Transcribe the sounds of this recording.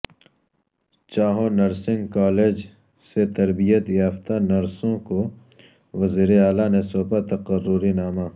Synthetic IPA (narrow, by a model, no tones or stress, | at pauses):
t͡ʃaːɦonɐɾsɪ̃ŋɡkaːleːd͡ʒ | set̪ɐɾbijət̪jaːft̪anɐɾsõko | ʋɐziːɾeaːlanesoːpat̪ɐqərːʊɾinaːmaː